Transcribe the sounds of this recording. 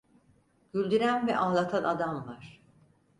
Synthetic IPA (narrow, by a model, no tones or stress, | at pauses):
ɟ̥ylʲd̪yɾænvɛ̰ʔaːlˠat̪ʰanʔad̪amvaɾ̥